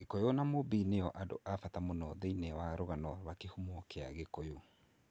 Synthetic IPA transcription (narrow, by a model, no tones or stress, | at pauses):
ekojonamobinejɔʔado̰ʔafatamonɔðeinewaɾoɣanɔwakehumokeaɣekojo